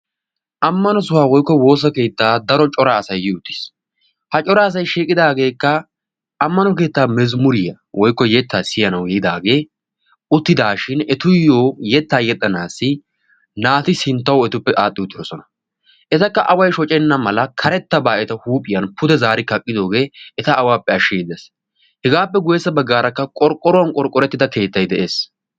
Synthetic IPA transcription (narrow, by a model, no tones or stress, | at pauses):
ʔɐmːɐnɔs̬ʊwaːwɔjkːɔwo̞ːs̬ɐke̞ːt̪ːaːd̪ɐɾɔt͡ʃʼɔɾaːsɐjːɪʊt̪ːɪ̥s | hɐt͡ʃʼɔɾaːs̬ɐjʃiːkʼɪd̪aːɡe̞ːkːɐ | ɐmːɐnɔke̞ːt̪ːaːmɛzmʊɾɪjɐ | wʔɔjkːɔjɛt̪ːaːsɪjɐnɐwɡɛjɪd̪aːɡe̞ː | ʔʊt̪ːɪd̪aːʃɪnɛt̪ʊjoːjɛt̪ːaːjɛt̪ʼːɐnaːsːɪ | naːt̪ɪsɪnt̪ːɐwɛt̪ʊpːɛʔaːt̪ʼːɪʊt̪ːɪɾɔsɔnɐ̥ | ʔɛt̪ɐkːɐʔɐwɐjʃɔt͡ʃʼɛnːɐmɐlɐkʰɐɾɛt̪ːɐbaːʔɛt̪ɐhuːpʼːɪjɐnpʰʊd̪ɛzaːɾɪkɐkʼːɪd̪o̞ːɡe̞ːɛt̪ɐʔːwaːpːɛɐʃːijd̪ɛs | hɛɡaːpːɛɡʊjɛsːɐbɐɡːaːɾɐkːɐkʼɔɾkʼːɔɾɔwɐnkʼɔɾkʼːɔɾɛt̪ːɪd̪ɐke̞ːt̪ːɐjd̪ɛʔe̞ːs